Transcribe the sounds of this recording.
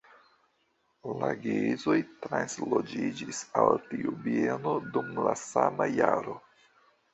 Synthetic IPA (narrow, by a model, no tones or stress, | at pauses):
laɡeizo̞jtɾanslod͡ʒid͡ʒisaltiubie̞no̞dumlasamajaɾo̞